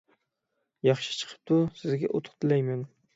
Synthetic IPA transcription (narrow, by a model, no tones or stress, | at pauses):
jɑχʃɪ̥t͡ʃʰɨ̥qʰɨ̥p̚t̪ʰʊsɪzɡʲaʔot̪ʰʊ̥qt̪ʰɪlajman